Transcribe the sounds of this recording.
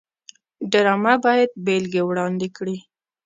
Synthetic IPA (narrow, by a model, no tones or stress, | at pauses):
ɖaɾɑmabɑjad̪̚belɡewɽɑnd̪ɪkɽi